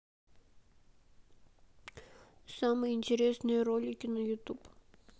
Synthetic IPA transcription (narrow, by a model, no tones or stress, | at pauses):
samɨjɪnʲtʲɪɾʲesnɨjərolʲɪkʲɪnəjut̪up